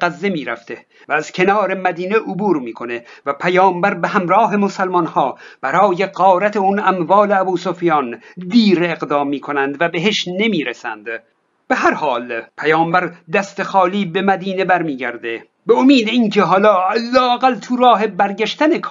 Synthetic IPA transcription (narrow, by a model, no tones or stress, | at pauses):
æzːe̞miːɾæ̰ft̪ʰe | væːz̥cʰe̞nɒːɾe̞mæd̪iːneʔobuːɾmiːkʰo̞ne̞væpʰæjɒːmbæɾbehæmɾɒːɦe̞mosælmɒnhɒːb̥æɾɒːje̞ɢɒːɾæt̪ʰeunæmvɒːle̞æbuːsofijɑːnd̪iːɾeeɣd̪ɒːmːiːkʰo̞nænd̪væbe̞ɦeʃne̞miːɾesæ̰nd̪̥ | b̥e̞ɦæɾhɒːlpʰæjɒːmbæɾd̪æst̪e̞xɒːliːbe̞mæd̪iːne̞bæɾmiːɟæɾd̪e̞ | beomiːd̪eiːncʰe̞ɦɒːlɒːælːɒːæɣælt̪ʰuɾɒːɦe̞bæɾɟæʃt̪ænekʰ